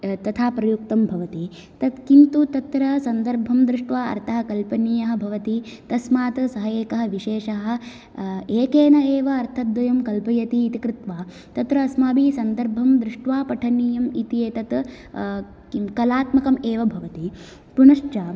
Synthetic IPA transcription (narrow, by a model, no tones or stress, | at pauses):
t̪ɐt̪ʰaːpɾɐjuk̚t̪ɐmbʱɐʋɐt̪i | t̪ɐt̪kint̪ut̪ɐt̪ɾɐsɐnd̪ɐɾbʱɐmd̪ɾɪʂʈʋaːɐ̰ɾt̪ʰɐɦɐkɐlpɐnijɐɦɐ̆bʱɐʋɐt̪it̪ɐsmaːt̪sɐɦɐjeːkɐɦɐ̆ʋiʃeːʂɐɦɐ̆ | eːkeːnɐeːʋɐːɾt̪ʰɐt̪ʋɐjɐmkɐlpɐjɐt̪iːt̪ikɾɪt̪ʋaː | t̪ɐt̪ɾɐːsmaːbiːsɐnd̪ɐɾbʱɐmd̪ɾɪʂʈʋaːpɐʈʰɐnijɐmit̪ijeːt̪ɐt̪ | kɐlaːt̪mɐkɐmeːʋɐbʱɐʋɐt̪i | punɐʃt͡ʃaː